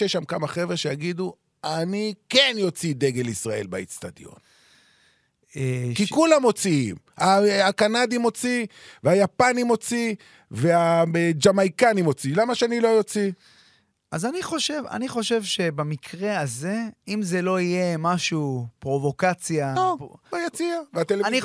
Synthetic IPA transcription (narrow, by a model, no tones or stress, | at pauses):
eʃamkamaχe̞vʃejaɡid̪u | anike̞njo̞t͡sid̪e̞ɡe̞lisʁae̞̰lbait͡st̪ad̪jo̞̰n | ekikulamːo̞t͡siḭm | aakanad̪imo̞t͡siveajapanimo̞t͡si | vead͡ʒamajkanimo̞t͡silamaʃeanilo̞jo̞t͡si | ʔazaniχo̞ʃeva̰niχo̞ʃe̞vʃe̞bamikʰʁe̞aze̞imze̞lo̞ije̞maʃupʁo̞vo̞kat͡sjaoojot͡siaveat̪eleni